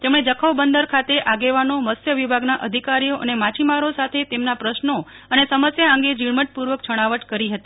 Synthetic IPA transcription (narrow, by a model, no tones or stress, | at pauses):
t̪emɽ̃ed͡ʒəkʰəʋbənd̪əɾkʰat̪eʔaɡeʋanoməsjəʋibʱaɡnaʔəd̪ʱikaɾijoʔənemat͡ʃimaɾosat̪ʰet̪emnapɾəʃno | ənesəməsjaəŋɡed͡ʒiɭməʈ̚puɾʋək̚t͡ʃʰəɽ̃aʋəʈkəɾiɦət̪i